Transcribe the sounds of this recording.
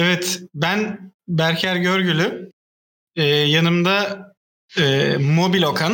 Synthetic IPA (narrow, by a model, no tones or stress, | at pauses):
ɛvɛt̪bænbæɾcʰæɾɟø̞ɾɟylʲy | ɛːjanɯmd̪a | ɛːmo̞bilʲo̞kʰan